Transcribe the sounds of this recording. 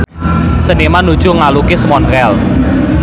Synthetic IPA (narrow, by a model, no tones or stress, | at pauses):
sənimanːud̥ʒ̥uŋalukesmɔnɾɛl